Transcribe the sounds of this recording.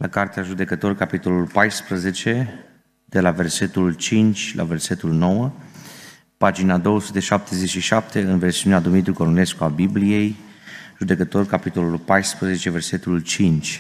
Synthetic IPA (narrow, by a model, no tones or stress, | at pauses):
lakart̪eaʒud̪e̞kət̪o̞rkapit̪o̞lulpajspɾəze̞t͡ʃe̞ | d̪̥e̞lave̞rse̞t̪ult͡ʃint͡ʃʲlʔa̰ve̞rse̞t̪ulno̞wə | pad͡ʒinad̪o̞wəsut̪e̞ʃap̚t̪e̞ze̞t͡ʃʃiʃap̚t̪e̞ɨnversiunead̪umit̪ɾʲukoɾone̞skuabiblije̞j | ʒ̥ud̪e̞kət̪o̞rkapit̪o̞lulpajspɾəze̞t͡ʃe̞ve̞rse̞t̪ult͡ʃint͡ʃʲ